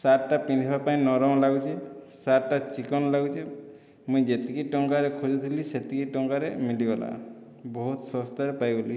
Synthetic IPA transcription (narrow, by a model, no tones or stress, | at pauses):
saɾʈapind̪ʰʱibapaĩnɔɾɔm̃laɡut͡ʃʰesaʈat͡ʃikɔnlaɡut͡ʃʰe | mũjd͡ʒet̪ikeʈɔŋkaɾekʰud͡ʒut̪ʰiliset̪ikeʈɔŋkaɾemilibɔla̰ | bɔɦut̪sɔst̪aɾepajboli